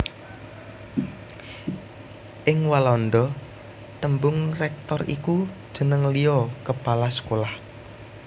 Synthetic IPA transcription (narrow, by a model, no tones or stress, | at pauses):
ʔɪŋwalɔnd̪ɔ | t̪əmbʊŋrɛk̚t̪ɔrḭkud̥ʒ̥ə̤nəŋlijɔkəpalasə̥kolah